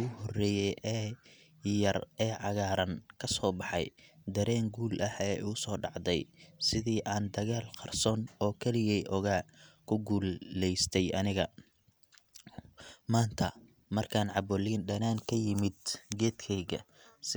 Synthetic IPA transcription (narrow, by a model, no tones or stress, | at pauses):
ʊhɔrɛːjɛjʔɛː | jɐrɛːʕɑɣaːɾɐnkʰɐsɔːbɑħɑjd̪ɐɾɛːŋɡuːlʔɐhɛːʊsɔːɖɑʕd̪ɛjsɪðiːʔaːnd̪ɐɣaːlqɑrsɔːnɔːkʰɛlɪjɛjʔɔɣaːkʰʊɡuːlɛjst̪ʰɛjɐnɪɣɐ | maːnt̪ʰɐ | mɐrkʰaːnʕɑbɔliːnɖɐnaːnkʰɐjɪmɪd̪ɡɛːd̪kʰɛjɣɐ̰ | s